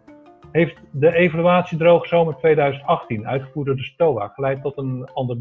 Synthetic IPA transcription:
ɦejftdəejvalyaːtsidrowχz̥owməɹtʋejdœɥzəntɑχtinœ̰ɥtχəvuːɹdoːɹdəstowa̰ːχəlɛjtɔtənɑndə

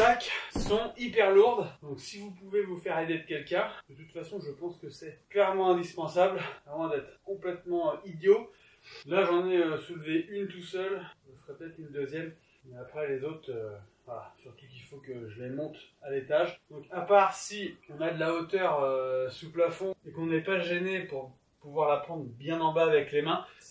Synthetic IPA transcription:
ʒaksɔ̃ipɛʁluʁd̪d̪ɔ̃ksivupuvevufɛʁed̪ed̪əkʲɛlkʲɛ̃d̪̥ət̪ut̪fasɔ̃ʒəpɑ̃skəsɛklɛʁmɑ̃ɛ̃d̪ispɑ̃sablavwɛ̃d̪ɛt̪χkɔ̃plɛt̪mɑ̃id̪jo | laʒɑ̃nɛøsulveʔynt̪usœlʒəsʁɛpət̪ɛt̪χynd̪øzjɛm | mɛapχɛlezot̪χøvalasyʁt̪ukilfokəʒəlemɔ̃t̪alet̪aʒd̪ɔ̃kapaʁsiɔ̃nad̪əlaot̪œʁøsuplafɔ̃ekɔ̃nɛpaʒenepuʁ | puvwaʁlapχɑ̃d̪ʁbjɛ̃nɑ̃baːvɛklemɛ̃

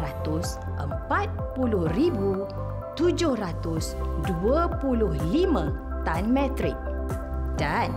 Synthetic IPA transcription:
at̪ʊs | ʔə̰mpat̪̚pulʊhribu | t̪ud͡ʒʊhrat̪ʊsduəpulʊhlimãt̪anmɛt̪ɾɪk̚dan

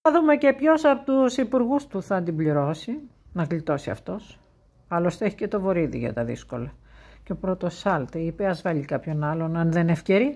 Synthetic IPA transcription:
ɐðume̞ce̞pço̞sɐpot̪usipuɾɣust̪uθɐnd̪imbliɾo̞si | nɐɣlit̪o̞siɐ̰ft̪o̞s | ɐlost̪eeçi̥ce̞t̪o̞vo̞ɾiðḭʝɐ̰t̪ɐðḭsko̞lɐceopɾo̞t̪o̞sɐlt̪ipeɐzvɐʎikɐpço̞nɐlo̞nɐnðe̞ne̞fce̞ɾi

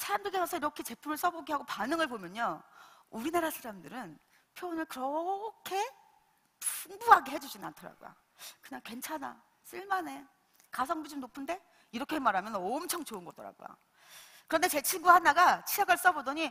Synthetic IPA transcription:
sʰaɾamdɯɡesʰʌsʰʌiɾʌkʰe̞t͡ɕe̞pʰumɯɭs͈ʌboɡiɦaɡopanɯŋɯɭpomjʌɲʌuɾinaɾasʰaɾamdɯɾɯn | pʰjoːnɯɭkɯɾʌkʰe̞ | puŋbuɦaɡe̞ɦe̞d͡ʑud͡ʑina̰ntʰʌɾa̰ɡo̰jo̰ | kɯɲaŋkwe̞nt͡ɕʰana̰ | s͈ɯɭmane̞ | kas̬ʰʌŋbud͡ʑumnopʰɯnde̞ | iɾʌkʰe̞ɦemaɾɦamjʌnʌmt͡ɕʰʌŋt͡ɕoɯnɡʌt͈ʌɾa̰ɡo̰jo̰ | kɯɾʌnde̞t͡ɕe̞t͡ɕʰiɡuɦanaɡat͡ɕʰijaɡɯɭs͈ʌbodʌɲi

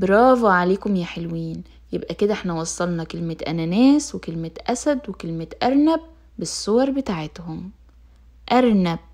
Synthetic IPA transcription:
beɾˤɑːvɑʕaleːkomjæħelwiːn | jebʔæked̪æʔeħnæwɑsˤːɑlnɑkelmet̪ʔæ̰nænæːswekelmet̪ʔæsæd̪wekelmet̪ʔæɾˤnæb̚ː | esːowɑɾˤbet̪aʕet̪hom | ʔæɾˤnæb̚

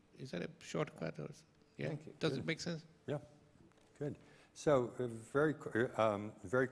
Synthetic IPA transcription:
ɪzd̪æɾəʃɔːʈkʰa̰tɔ̰lso | jæ̰d̥ʌzɪt̚meːksɛ̃ns | jæ | ɡ̥ʊd̥̚ | soʊvɛɹikʰmvɛɹi

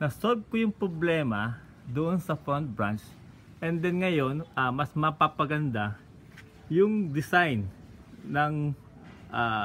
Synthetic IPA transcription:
nɐsolb̚kʊjʊŋpɾoblɛːmɐ | d̪ʊʔonsɐfɾont̪̚bɹant͡ʃ | ʔɛnd̪ɛnŋɐjo̞nʔɐmɐsmɐpapɐɡɐnd̪a | jʊŋd̪ɪsajnː | ɐŋ | ʔa

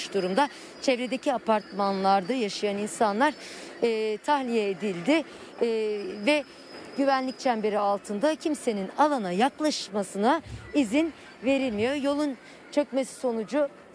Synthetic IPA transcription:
ʃd̪uɾumd̪a | t͡ʃʰevɾe̞d̪e̞cʰiapʰaɾt̪manlˠaɾd̪ɯjaʃɯjaninsanlˠaɾ̥ | t̪ʰahlʲijɛːd̪ilʲd̪ɪ | vɛ | ɟyvænlʲic̚t͡ʃʰænbe̞ɾialˠt̪ʰɯnd̪acʰimse̞ninalˠanajaklˠaʃmasɯnaizin | ve̞ɾilʲmijo̞jo̞lˠun | t͡ʃʰø̞cme̞si̥so̞nud͡ʒu

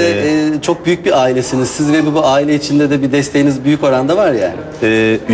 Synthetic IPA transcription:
ɛːt͡ʃʰo̞k̚byjyc̚biaːilʲesinizsizvɛbibuaːilʲeit͡ʃʰind̪ɛd̪ɛbid̪ɛst̪ʰejinizbyjyco̞ɾand̪avaɾja̰ːnɪ | ɛː

